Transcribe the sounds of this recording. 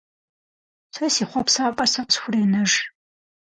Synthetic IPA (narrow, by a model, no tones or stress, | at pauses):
sɐsiːχʷɔpsaːpʼɐsɐqsxʷʊriːnɐʒ